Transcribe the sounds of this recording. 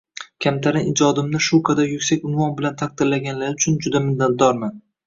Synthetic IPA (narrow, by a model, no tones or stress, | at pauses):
kʲʰamt̪ʰaɾɪnɪd͡ʒɒd̪ɪmnɪʃukʰad̪ajʊkʲsakʲʊnvɒnbɪlant̪ʰak̚d̪ɪɾlaɡʲanlaɾʊt͡ʃʰʊnd͡ʒʊd̪amɪnːat̪̚d̪ɒɾman